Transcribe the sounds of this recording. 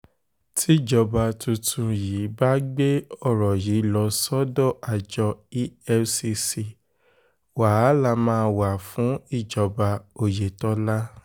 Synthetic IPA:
tʰi˦d͡ʒɔ˨˧ba˧tũ˧tʰũ˧ji˨˦ba˦ɡ͡be˦ɔ˦˨ɾɔ˨ji˨˦lɔ˧sɔ˦dɔ˦˨ʔa˨d͡ʒɔ˧i˦ɛ˧si˧si˧ | wa˨˦la˧˨mãː˦˧wa˨fũ˨˦i˦˨d͡ʒɔ˨ba˧o˨je˨tɔ˨˦la˦

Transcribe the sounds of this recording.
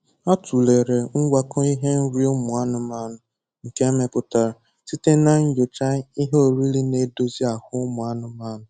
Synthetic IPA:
a˦tu˨le˨ɾe˨ŋ̩˦ɡʷa˦kʊ˦i˦ɦe˦n̩˦ɾi˦ʊ˦mʊ˨a˦nʊ˨ma˦˨nʊ˨ | ŋ̩˨ke˦me˨pʊ˨ta˨ɾ | ti˦te˦na˦ŋ̩˦jo˨t͡ʃa˦i˦ɦe˦o˨ɾi˦li˦ne˨do˦zi˦a˨hʊ˦mʊ˨a˦nʊ˨ma˦˨nʊ˨

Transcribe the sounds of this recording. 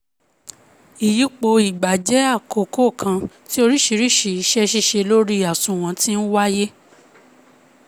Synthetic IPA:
i˨ji˨˦k͡po˧i˨ɡ͡ba˨d͡ʒɛ˨˦a˦˨ko˨ko˦˨kʰã˧ti˦o˧ɾi˦ʃi˧ɾi˦˨ʃi˨i˧ʃɛ˦ʃi˧˦ʃe˧lo˦ɾi˦a˨sũ˧˨w̃ɔ̃˧˦tĩ˦n̩˦wa˦je˦

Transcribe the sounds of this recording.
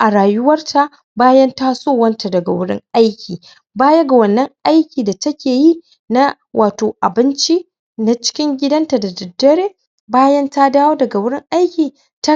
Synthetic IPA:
ʔa˨ɽaː˨jʊ˦wɐ˦rtʰa˨ʔ | baː˦jɐ˦ntaː˦soː˦˨wɐ˦nta˨dɐ˨ɡa˨wʊ˦ɽɪ̰˦ŋʔa˦jkʲʰiː˨ | baː˦jɐ˦ɡa˨wɐ˨nːɐ˦ŋʔa˦jkʲiː˨da˨tɐ˦kʲeː˨ji˦ | na˦ | wʔaː˨toː˨ʔa˨bɪ˦nt͡ʃi˦ | na˦t͡ʃɪ̥˦kʲɪ˦ŋɡʲɪ˦dɐ˦nta˨da˨dɐ˨dːɐ˦ɽeː˦ | baː˦jɐ˦nta˦daː˦woː˦dɐ˨ɡa˨wʊ˦ɽɪ˦ŋʔa˦jkʲiː˨ | ta˦

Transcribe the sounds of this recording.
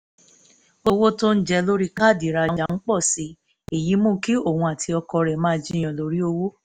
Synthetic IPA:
o˧wo˦to˦n̩˦d͡ʒɛ˧lo˦ɾi˦ka˦˨di˨ɾa˧˦d͡ʒa˧n̩˦k͡pɔ˦˨si˨˦ | e˨ji˨˦mũ˦ki˦o˦˨hũ˧a˨tʰi˧ɔ˧kɔ˧ɾɛ˨mãː˦d͡ʒi˦j̃ã˨lo˧ɾi˦o˧wo˦

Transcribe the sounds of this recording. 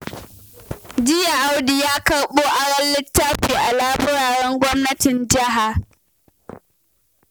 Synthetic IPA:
d͡ʒɪ˦ja˨ʔa˦wdi˨jaː˦kɐ˨ɽɓoː˦ʔa˨ɾɐ˦lːɪ˦tːaː˦ɸuː˨ʔa˨laː˦bʊ˦ɽaː˨ɽɛ˦ŋɡʷɔ˦mnɐ˦tɪ˨nd͡ʒɐ˦ɦa˨

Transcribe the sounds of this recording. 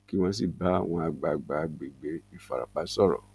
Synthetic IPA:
ki˦w̃ɔ̃˧s̬i˦˨ba˨˦a˦˨w̃ɔ̃˧a˧˨ɡ͡ba˨ɡ͡ba˨ɡ͡be˨ɡ͡be˨˦i˦˨fa̰˨ɾa̰˨k͡pa˨˦sɔ˦˨ɾɔ̰˨

